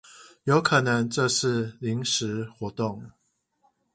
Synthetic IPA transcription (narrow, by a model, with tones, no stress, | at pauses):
jo˨˦ʊkʰə˨˩nə˨˦ŋʈ͡ʂɤ˥˧ʂɻ̩˥˨li˨˦ŋʂɻ̩˧˦xwɔ˧˥t̪o˥˨ŋ